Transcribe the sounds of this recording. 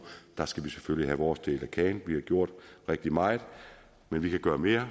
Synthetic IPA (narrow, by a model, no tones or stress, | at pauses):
d̥ɑ̈sɡ̥æʋiseføliɦæʋɒːsd̥e̝̰ːlækʰɛ̰ːnʋihɑ̈ɡ̥jo̝ɐ̰d̥ʁeɡ̥̚d̥imɑ̈ɪð̩ˠ | menʋikʰæɡ̥ɶːɐme̝ːɐ